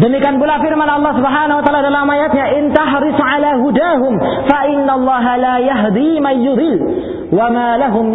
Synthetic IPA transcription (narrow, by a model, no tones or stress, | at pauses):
dəmikianbulafirmanɑlˤːɑhsubɦaːnahwat̪aːladalamajat̪̚ɲaʔɪnt̪aħɾɪsʕalaːɦudaːɦʊm | faʔɪnːalˤːɑːɦalaːjaɦd̪imanjʊd̪ɪl | wamaːlaɦʊm